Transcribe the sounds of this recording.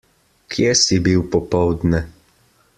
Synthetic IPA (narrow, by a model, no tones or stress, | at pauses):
kʰjesibiwpɔpɔwd̪nɛ